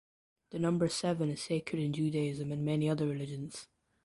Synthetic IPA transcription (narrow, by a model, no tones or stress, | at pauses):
ðənʌ̃mbə˞sɛvə̃nɪz̥sekʰɹəɾɪ̃nd͡ʒʉːdəɪzə̃mə̃nmɛniʌðə˞ɹɪlɪd͡ʒə̃nz̥